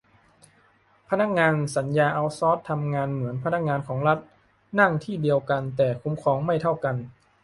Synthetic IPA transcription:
pʰa˧na˧˥k̚ŋaː˧nsa˩˦njaː˧ʔa˧wsɔː˦˥t̪ʰːa˧mŋaː˧nmɯ˩˦ənpʰa˧na˦˥k̚ŋaː˧nkʰɔː˩˦ŋla˦˥t̪̚ | na˥˩ŋt̪ʰiː˥˩di˧əwka˧nt̪ɛː˨˩kʰu˧˦mkʰɔː˧˦ŋma˥˩jt̪ʰa˥˩wka˧n

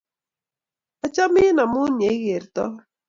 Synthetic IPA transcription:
a˨t͡ʃa˦mi˦na˨mu˦n˨e˨˦ɣe˨ɾt̪ɔ˦

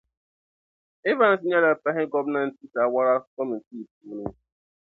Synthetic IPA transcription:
ɪ˦va˦n̩˨s̬ɪ˦ɲa˦la˨pa˦ɦɪ˦ɡɔ˦bna˦n̩˨ti˦ta˨wa˦ɾa˦kɔ˦mi˨n̩˨ti˦˨p̚u˨˦ni˦

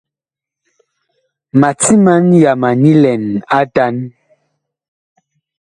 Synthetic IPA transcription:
ma˨t͡si˦ma˦nja˨ma˨ni˦lɛ˨na˦ta˦n

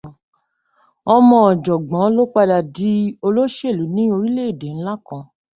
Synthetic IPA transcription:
ɔ˧mɔ̃˧ɔ˨d͡ʒɔ˨ɡ͡bɔ̃˨˦lo˦k͡pa˧da˨di˨˦o˧lo˦ʃe˦˨lu˨˦nĩ˦o˧ɾi˦le˦i˦˨de˨n̩˦la˦kã˧˨

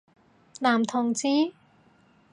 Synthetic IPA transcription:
naː˨˩mt̪ʰʊ˨˩ŋt͡siː˧˥

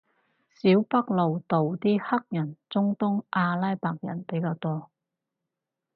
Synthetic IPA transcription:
siː˨˥wpɐ˥k̚lo˨wt̪o˨wt̪iː˥hɐ˥k̚jɐ˨˩nt͡sʊ˥ŋt̪ʊ˥ŋʔaː˧laː˥jpaː˧k̚jɐ̰˨˩npe˨˥jkaː˧wt̪ɔː˥

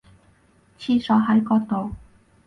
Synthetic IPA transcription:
t͡sʰiː˧sɔː˨˥ɦɐ˨˥jkɔː˧k̚t̪o˨˩w

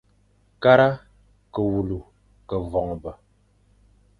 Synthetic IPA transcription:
ka˦ɾa˦ | kə˨wu˨lu˨ | kə˨vɔ˨ŋ˨bə˨

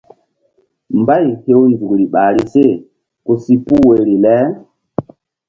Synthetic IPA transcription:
mba˦jhe˦wnzu˨kɾi˨ɓa˨ɾi˦se˦˨ | ko˨si˦pu˦we˨ɾi˨lɛ˦

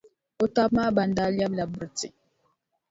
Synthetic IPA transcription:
o˦ta˦p̚ma˦ba˨nda˦lja˦bla˨bə˨ɾti˨

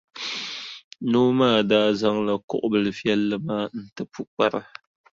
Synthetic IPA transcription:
noː˦maː˦˨daː˦za˦ŋla˨kʊ̰˦ʔʊ˦bɨ˨lɨ˨fi˦ɛ˦lːɨ˦maː˦n̩˦tɨ˦pu˦k͡pa˨ɾɨ˦

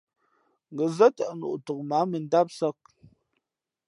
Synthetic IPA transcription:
ŋɡə˨zə˦tə˨ʔnṵ˨ʔtə˨k̚ma˨˦mə˨n̩˦da˦p̚sə˦k̚

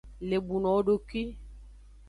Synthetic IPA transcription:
le˨bu˨nɔ̃˨˦ɖo˨ki˦

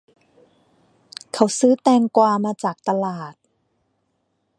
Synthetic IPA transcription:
kʰa˧˥˦wsɯː˦˥t̪ɛː˧ŋkwaː˧maː˧t͡ɕaː˨˩k̚t̪a˧laː˨˩t̪̚

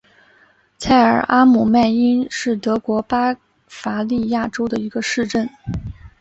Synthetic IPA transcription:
t͡sʰa˥˩ɪə̰˞˨˩ʔa˥mu˨˩ma˥˩ɪi˥nʂɻ̩˥˩t̪ɤ˧˥kwɔ˧˥pa˥ | fa˧˥li˥˧ja˥˩ʈ͡ʂo˥ʊd̪ə˨i˧˥ɡə˧ʂɻ̩˥˧ʈ͡ʂə˥˩n

